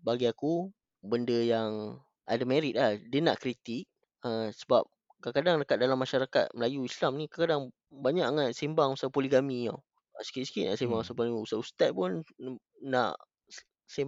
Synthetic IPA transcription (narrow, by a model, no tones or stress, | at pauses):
baɡiaku | bəndəjaŋ | ʔa̰damɛɾit̪̚lahdiəna̰ʔkɾit̪ik̚ | əsəbap̚ | kakadaŋdəkat̪̚dalamːaʃaɾaka̰t̪̚məlajuislamnĩkakadaŋ | baɲaʔaŋaʔsimbaŋusapoliɡamĩa̰ | əsə̥kit̪̚sə̥kiʔna̰ʔsembaŋsaponiusaust̪at̪̚punː | a̰ʔ | se